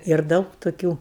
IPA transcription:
ɪr ˈdɐʊk toːˈkʲuː

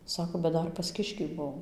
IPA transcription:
ˈsɑːkoː bʲɛt ˈdɐr pɐs ˈkʲɪʃʲkʲiː ˈbuɔm

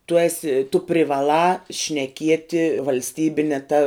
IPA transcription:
tʊ ˈæːsʲɪ tʊ pʲrʲɪʋɐˈlˠɑː ʃʲnʲɛˈkʲiɛtʲɪ ʋɐlʲsʲˈtʲiːbʲɪnʲɛ ˈtɐ

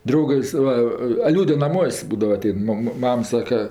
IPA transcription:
ˈdrɐʊɡɐs ˈʋɐ ɐ ˈlʲuːdʲɛ nɐˈmuɔsʲ ˈbuːdɐʋɐ ɐˈtʲɛɪn ˈmɑːmɐ ˈmɐm ˈsɑːkɐ

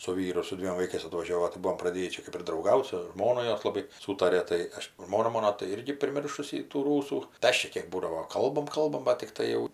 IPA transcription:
sʊ ˈʋʲiːrʊ ɪr sʊ ˈdʲʋʲiɛm ʋɐɪˈkɐɪs ɐtʋɐˈʒʲoːʋoː tɐɪ ˈbuɔm prɐˈdʲeːjiː ˈt͡ʃʲɛ kɜp ɪr drɐʊˈɡɐʊt sʊ ˈʒmoːnʊ ˈjoːs lˠɐˈbɐɪ ˈsuːtɐrʲeː ˈtɐɪ ˈɐʃ ˈʒmoːnɐ ˈmoːnoː tɐɪ ˈɪrʲɡʲɪ pʲrʲɪˈmʲɪrʃʊsʲɪ tuː ˈruːsuː tɐɪ ˈɐʃ t͡ʃʲɛ ˈkʲeːk ˈbuːdɐʋoː ˈkɐlˠbɐm ˈkɐlˠbɐm bɐt tʲɪkˈtɐɪ jɛʊ

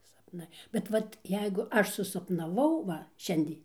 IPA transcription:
sɐpˈnɐɪ bʲɛt ˈʋɐt ˈjɛɪɡʊ ˈɐʃ sʊsɐpnɐˈʋɐʊ ˈʋɐ ˈʃʲɛnʲdʲeː

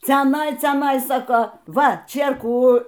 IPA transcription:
t͡sʲɛˈnɐɪ t͡sʲɛˈnɐɪ sɐˈkɐʊ ˈʋɐ ˈt͡ʃʲeːrkuː

